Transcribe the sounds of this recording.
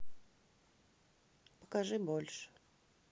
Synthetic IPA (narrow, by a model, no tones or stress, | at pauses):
pə̥kaʐɨbolʲʂɨ̥